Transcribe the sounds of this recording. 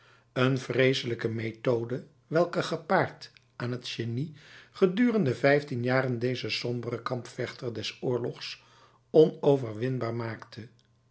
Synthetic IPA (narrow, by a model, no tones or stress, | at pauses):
ənv̥rejsələkəmejtowdə | ʋɛlˠkəχəpaːɹtʔaːnɦətʃeniχədyːrəndəvɛjftinjaːrəndejzəsɔmbərəkɑmpfɛχtəɹdɛsʊːɹlɔχs | ɔnowvəɹʋɪnbaːɹmaːktʰə